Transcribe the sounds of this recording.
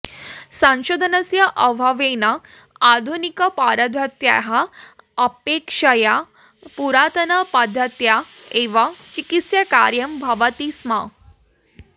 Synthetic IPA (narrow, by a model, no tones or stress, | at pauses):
sãw̃ɕod̪ʱənəsjəʔəʋʱaʋena | ad̪ʱunikəpaɾəd̪ʱʋət̪ja̰ɦaəpekʂaja | puɾat̪ənəpad̪ʱːət̪jaeʋat͡ɕikit̪sjaka̰ɾjəmbʱaʋət̪isma